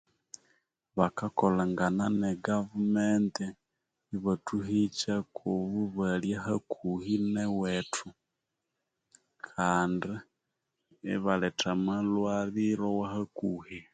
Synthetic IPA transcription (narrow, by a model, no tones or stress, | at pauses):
βakakolaŋɡananeɡavumenti | iβatʰuhit͡ʃakʰoβuβaljahakʰuhinewetʰu | kʰaːndiː | βaletamalwaɾiɾowahakuːhi